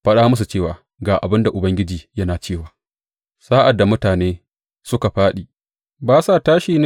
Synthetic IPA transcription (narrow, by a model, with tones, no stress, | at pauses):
ɸɐ˦ɗaː˦mʊ˦s̬u˨t͡ʃeː˦˨waː˨ | ɡaː˨ʔa̰˨bɪ˦nda˨ʔʊ˨bɐ˦ŋɡʲɪ˦d͡ʒiː˨jɐ˦naː˨t͡ʃeː˦˨waː˨ | saː˦ʔa˨dːa˨mʊ˦taː˨neː˦ | sʊ˦ka˨ɸaː˦ɗiː˨ | baː˦sa˦˨taː˦ʃiː˨n˦